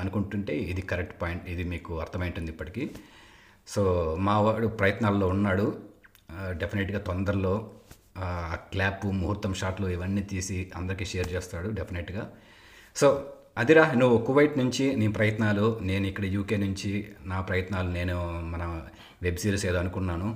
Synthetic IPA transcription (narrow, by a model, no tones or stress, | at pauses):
ɐnukuɳʈuɳʈe̞ːid̪ikɐɾek̚ʈpaːjiɳʈid̪imiːkuɐɾt̪ʰɐmɐjiɳʈund̪ipːɐʈi̥ki | so̞ːmaːʋaːɽupɾɐjɐt̪naːllo̞ːunːaːɽu | ɖepʰineʈɡaːt̪ond̪ɐɾlo̞ː | aːklaːpːumuɦuɾt̪ːɐmʂaːɾʈlo̞ːiʋɐnːiːt̪iːsiɐ̰nd̪ɐɾikiːʃeːɾt͡ʃeːst̪aːɽuɖe̞pʰineʈɡaː | so̞ː | ɐd̪iɾaːnuʋuokuʋɐjʈnuɲt͡ʃiniːpɾɐjɐt̪naːlune̞ːnuikːɐɽɐjuːke̞ːnuɲt͡ʃinaːpɾɐjɐt̪naːlune̞ːnumɐnɐ | ʋe̞bsiːɾseːd̪oɐnukuɳːaːnu